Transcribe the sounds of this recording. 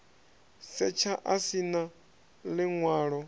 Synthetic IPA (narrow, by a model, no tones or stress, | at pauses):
sɛt͡ʃʰaʔasina | lɪŋwaːɺɔ